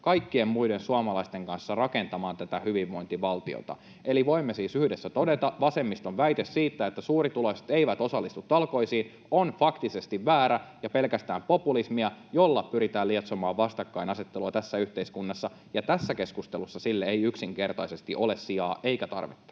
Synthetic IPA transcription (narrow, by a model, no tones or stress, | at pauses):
kɑikːie̞mmuidensuɑmɑlɑist̪eŋkɑnsːɑrɑkent̪ɑmɑːnt̪æt̪æhyʋiʋʋo̞int̪iʋɑlt̪io̰t̪ɑ̰ | eliʋo̞imːesiːsyhdesːæt̪o̞det̪ɑʋɑse̞mːist̪onʋæit̪essiːt̪ːæet̪ːæsuːrit̪ulokse̥t̪eiʋæt̪o̞sɑlːist̪ut̪ːɑlko̞isiːn | onfɑkt̪isest̪iʋʋæːɾæjɑpe̞lkæst̪æːmpo̞pulismiɑjo̞lːɑpyɾit̪æːliet̪somɑːʋʋɑst̪ɑkːɑinɑset̪ːeluɑt̪æsːæyht̪eiskunːɑsːɑ | jɑt̪æsːæke̞skust̪elusːɑsilːeejyksiŋke̞rt̪ɑisest̪iʔo̞lessiɑːʔe̞ikæt̪ɑ̰rʋḭt̪ːɑ̥